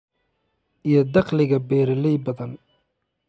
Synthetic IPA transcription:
ʔijɔd̪ɑqlɪɣɐbɛːɾɪlɛjbɐðɐn

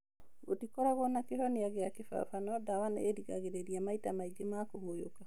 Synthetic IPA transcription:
ɡotikɔɾaɣɔnakehɔneaɣeakefa̰fanɔdawana̰eɾiɣa̰ɣeɾeɾiamaitamaiɡemakohojoka

